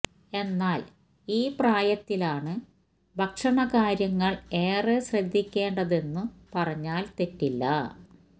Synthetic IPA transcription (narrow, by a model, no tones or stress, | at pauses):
e̞nːaːl | iːpraːjɐt̪ːilaːɳɨ | bʱɐkʂɐɳɐkaːɾjɐŋːɐɭe̞ːreɕrɐd̪ʱːikʲːe̞ːɳɖɐðe̞nːupɐrɐɲːaːlt̪e̞tːilːɐ